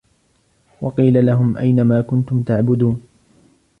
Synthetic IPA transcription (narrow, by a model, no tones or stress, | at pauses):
wɑqiːlalaɦʊmʔa̰jnamaːkʊnt̪ʊmt̪aʕbʊd̪uːn